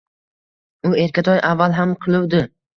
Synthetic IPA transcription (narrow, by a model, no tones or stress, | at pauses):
ʊe̞ɾkʲat̪ʰɒjʔavːalˠɦamqʰɨlˠɪwd̪ɪ